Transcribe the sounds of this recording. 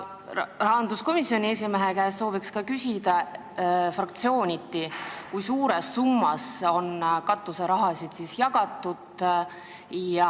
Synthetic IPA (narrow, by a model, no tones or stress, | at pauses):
rɑɦɑnd̪̥usko̞misio̞nʲie̞s̬ʲimeɦe̞kæesso̞ːvikskɑkysʲid̪̥ɑ | frɑk̚t̪sio̞ːnʲit̪ːˑikujsuːɾe̞sːumːɑso̞nkɑt̪ːˑuseɾɑɦɑsid̪̥sisjɑɡ̥ɑt̪ːˑud̪̥ | jɑ